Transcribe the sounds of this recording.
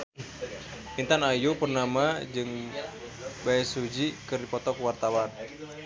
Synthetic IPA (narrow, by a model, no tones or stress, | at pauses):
int̪anajupərnamad͡ʒɨŋ | baɛsud͡ʒikɨrdipɔt̪ɔkuwart̪awan